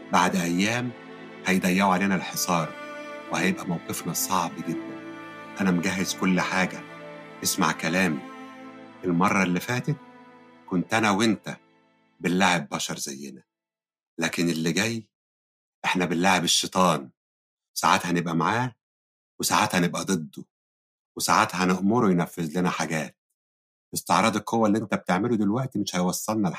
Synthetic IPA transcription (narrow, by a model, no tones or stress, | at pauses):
baʕd̪ʔæjːæːm | hæjd̪æjːæʕuʕaleːnælħesˤɑːɾˤwehæjebʔæmæwqefnɑsˤɑʕbɡed̪ːæn | ʔænæmɡæɦːezkolːħaːɡæʔesma̰ʕkælæːm | elmɑrˤːɑlːifæːt̪et̪̚ | kont̪ʔænæwent̪æ | belːaʕebːɑʃɑɾˤzæ̰jːḛnæ | læːkenelːiɡæj | ʔeħnæbelːaʕebeʃːet̪ˤɑːn | wesaʕat̪hænebʔæmaʕaː | wesaʕat̪hænebʔæd̪ˤed̪ːo | wesaʕat̪hæneʔmoɾuwjnæfːezlenæħaɡæːt̪̚ | ʔest̪eʕɾˤɑːd̪ˤɑkhowːælːiʔent̪æb̚t̪eʕmelud̪elwæʔt̪imeʃhæjwɑsˤːɑlnɑl